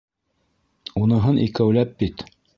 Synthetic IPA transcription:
unɤ̆ɦɤnʔikæwlæp̚bit̪

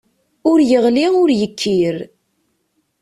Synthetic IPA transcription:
ʊɾjəʁliʊɾjəkʰːiɾ

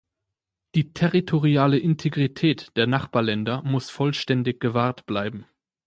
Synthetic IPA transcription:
d̥iːtʰɛʁitʰoʁiaːləʔɪntʰeɡʁitʰɛːtd̥eːɐnaχb̥aːɐlɛndɐmʊsfɔlʃtɛndɪçɡ̥əvaːɐtb̥laɪbm̩

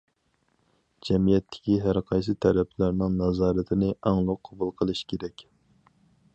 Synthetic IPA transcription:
d͡ʒɛmijɛt̪ʰːɪ̥kʲiɦæɾqʰɑjsɨt̪ʰɛɾɛpʰlæɾnɪŋnɑzɑːɾɨt̪ʰɪnɪʔɑŋlˠʊqʰːɑbulˠqʰəlˠɨʃkʲʰeɾɛkʲ

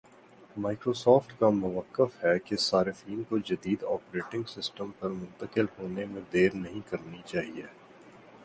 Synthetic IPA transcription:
maːɪkɾoːsɔːfʈkamʊʋəkːəfhɛkesaːɾɪfiːnkod͡ʒɐd̪iːd̪ɔːpɾeːʈɪ̃ŋɡsɪsʈəmpɐɾmʊ̃nt̪əkɪlɦoːnemẽd̪eːɾnɐɦĩkɐɾnit͡ʃaːɦieː

